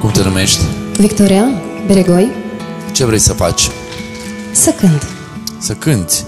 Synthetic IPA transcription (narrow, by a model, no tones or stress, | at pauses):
kumt̪enume̞ʃt̪ʲvikt̪oɾiabeɾeɡojt͡ʃe̞vɾejsəfa̰t͡ʃʲ | səkɨnd̪ | səkɨnt̪sʲ